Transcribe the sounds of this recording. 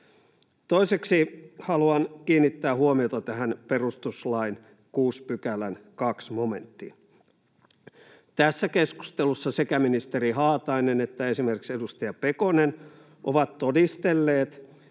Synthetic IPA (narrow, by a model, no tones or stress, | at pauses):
t̪oiseksihɑluɑnkiːnːit̪ːæːhuomiot̪ɑt̪æhænperust̪uslɑin | kuːspykælænkɑksmome̞̰nt̪ːḭ | t̪æsːækesku̥st̪elusːɑsekæminist̪eɾiɦɑːt̪ɑinenet̪ːæesimerkiksedust̪ɑjɑpekonen | ʔoʋɑt̪t̪odist̪elːeːt̪